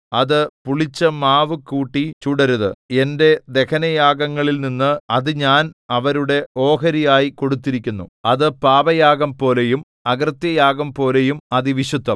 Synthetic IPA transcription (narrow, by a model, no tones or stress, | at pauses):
ɐðɨpuɭit͡ɕːɐmaːʋɨkuːʈːit͡ɕuɽɐɾuðɨ̰e̞nde̞d̪e̞kʰɐnɐjaːɡɐŋːɐɭilninːɨɐðɨɲaːnɐʋɐɾuɽe̞o̞ːɦɐɾijaːjiko̞ɽut̪ːiɾikʲːunːṵɐðɨpaːʋɐjaːɡɐmpo̞ːle̞jum | ɐɡrt̪jɐjaːɡɐmpo̞ːle̞jumɐðiʋiɕud̪ːɐm